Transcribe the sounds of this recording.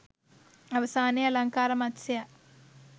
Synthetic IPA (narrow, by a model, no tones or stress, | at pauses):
ɐʋɐsaːnɐjɐlɐŋkaːɾɐmɐtsɐja